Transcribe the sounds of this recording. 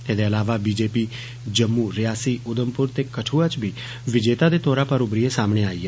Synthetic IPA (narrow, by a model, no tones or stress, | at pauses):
eːd̪eəlaːʋabiːd͡ʒeːpiː | d͡ʒəmːuːɾɪjaːsiːʊd̪əmpʊɾt̪ekəʈʰuːat͡ʃbʱiː | ʋɪd͡ʒeːt̪ad̪eːt̪oːɾapəɾʊbɾiesaːmɽ̃eaːiːɦɛ